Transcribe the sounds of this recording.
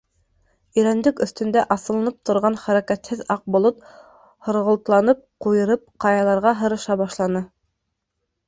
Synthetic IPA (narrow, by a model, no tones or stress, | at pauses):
ɵ̆jɾænd̪ɘkɵ̆θt̪ɵ̆nd̪æʔɑsɤ̆lˠɤ̆nɤp̚t̪ʰŏɾʁɑnχæɾækæt̪hɘðɑq̚bŏlˠot̪ | hŏɾʁŏlt̪lˠɑnɤp̚qujɤ̆ɾɤp̚qɑjɑlˠɑɾʁɑɦɤ̆ɾɤ̆ʃɑbɑʃlˠɑnɤ